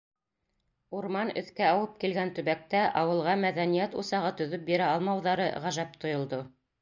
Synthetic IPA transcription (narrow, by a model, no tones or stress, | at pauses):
uɾmɑnɵ̆θkæɑwɤp̚kilɡænt̪ɵ̆βæk̚t̪æʔɑwɤ̆lˠʁɑmæðænijæt̪ṵsɑʁɤt̪ɵ̆ðɵp̚biɾæɑlˠmɑwðɑɾɤʁæʒæp̚t̪ŏjŏlˠd̪o